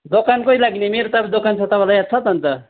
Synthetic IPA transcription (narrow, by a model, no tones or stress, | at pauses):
d̪okankoilaɡnemeɾot̪ʌbd̪okant͡sʰʌt̪ʌbalajat̪̚t͡sʰʌt̪ʌnt̪ʌ